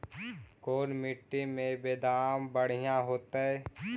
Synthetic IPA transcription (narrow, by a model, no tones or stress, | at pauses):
koːnmɪʈːimẽbeːd̪aːmbəɽ̤ijãɦoːt̪aɦɛ